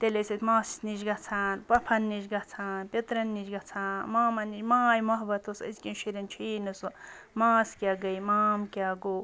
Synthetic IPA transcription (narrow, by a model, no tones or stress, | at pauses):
t̪elesɐt̪maːst̪niʃɡɐt͡sʰaːnpɐpʰɐnːiʃɡɐt͡sʰaːnpʲet̪ɾɐnːid͡ʒɡɐt͡sʰaːnmaːmɐnːit͡ʃmaːjmɐɦbɐt̪ʰosɐ̰zʲkʲinʃiɾʲɐnt͡ʃʰiːnɨsumaːskʲaːɡɐjmaːmkʲaɡo